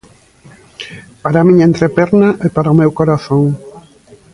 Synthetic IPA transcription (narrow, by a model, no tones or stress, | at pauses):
paɾamĩɲɐẽnt̪ɾepɛɾnaʔepaɾaomewkoɾaθoŋ